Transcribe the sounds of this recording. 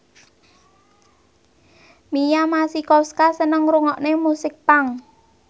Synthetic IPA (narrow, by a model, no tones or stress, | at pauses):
mijamasikɔskasənəŋɾuŋɔʔnemusɪk̚paŋ